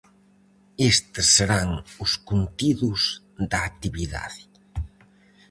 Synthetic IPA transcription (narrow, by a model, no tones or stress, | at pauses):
est̪ɪsːeɾaŋʊskunt̪iðʊz | d̪aːk̚t̪iβiða̰ð